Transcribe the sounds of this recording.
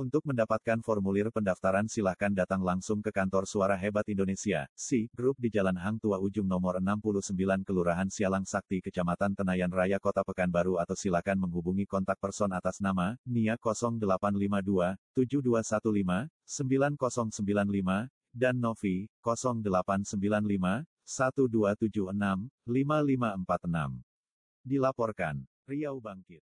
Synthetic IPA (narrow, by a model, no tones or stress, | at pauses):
unt̪ʊk̚məndapat̪̚kanfɔrmulɪrpəndaft̪aɾansilahkandat̪aŋlaŋsʊŋkəkant̪ɔrsuaɾaɦebat̪indonesia̰siɡɾup̚did͡ʒalanɦaŋt̪uaud͡ʒumnɔmɔrənampuluhsəmbilankəluɾaɦansialaŋsak̚t̪ikət͡ʃamat̪ant̪ənajanrajakɔt̪apəkanbaɾuat̪awsilahkanməŋɦubuŋikɔnt̪ak̚pərsɔnat̪asnamaniakɔsɔŋdəlapanlimaduat̪ud͡ʒuduasat̪ulima | səmbilankɔsɔŋsəmbilanlima | danːɔfikɔsɔŋdəlapansəmbilanlima | sat̪uduat̪ud͡ʒuhənamlimalimaəmpat̪əna̰m | dilapɔrkan | riawbaŋkɪt̪̚